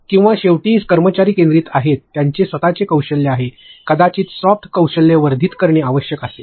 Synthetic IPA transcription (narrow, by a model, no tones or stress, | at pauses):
kĩw̃ʋaɕeʋʈiːskəɾmət͡ɕaɾiːkẽnd̪ɾiːt̪aɦet̪ːjaɲt͡ɕesʋət̪at͡ɕekəwɕəlːeaɦe | kəd̪at͡ɕiːt̪sɔft̪ʰkəwɕəlːeʋəɾd̪ʱiːt̪kəɾɳeaʋəɕjəkase